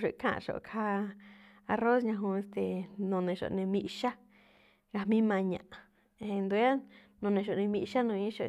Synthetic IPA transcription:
ʂṵ˨kʰã̰˧˨˧ʃo̰˨kʰa˧˦ | a˧ro˦sɲã˧ɦũ˧e˧st̪e˧nõ˧nẽ˧ʃo̰˨nẽ˧mĩ˧ʔʃa˦ | ɡa˧mĩ˦mã˧ɲã̰˨ʔ | ẽ˧nd̪u˧˦a˦ | nõ˨˧nẽ˧ʃ̬o˨nẽ˧mĩ˧ʔʃa˦nũ˧ĩ˦ʃo˨

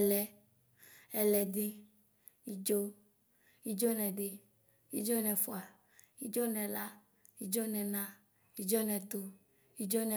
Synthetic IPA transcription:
lɛ˨ | ɛ˨lɛ˨dɪ˦ | i˦d͡ʒo˦ | i˦d͡ʒo˦nɛ̃˨ɖɪ˦ | i˦d͡ʒo˦nɛ̃˨fo˨a˨ | i˦d͡ʒo˦nɛ̃˨la˦ | i˦d͡ʒo˦nɛ̃˨nã˦ | i˦d͡ʒo˦nɛ̃˨t̪o˦ | i˦d͡ʒo˦nɛ˨

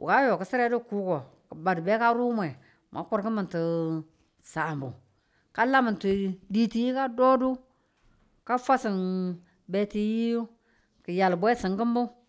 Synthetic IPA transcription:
wʔṵ˨ka˦jo˨kə˨si˦ɾe˦du˦ku˦kɔ˨kə˨ba˨dbe˦ka˦ɾu˦m˦e˨ | mʔa̰˨˦ku˦ɾkə˦mə˨nti˨ | sa˨mbṵ˨ | ka˦la˦mə˨ti˨di˨ti˨ji˦ka˦do˦du˦ | ka˦fa˦sɪ˨n | be˦ti˦ji˦ju˦ | kə˨ja˨lbʷe˦sɪ˨ŋkə˦mbu˦

